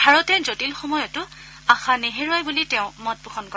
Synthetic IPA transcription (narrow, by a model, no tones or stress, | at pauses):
bʱaɹɔtɛzotilxɔmɔjɔtʊ | ãxʰãneɦeɹuajbulitɛʊ̃mɔt̚bʱuxʰɔnkɔ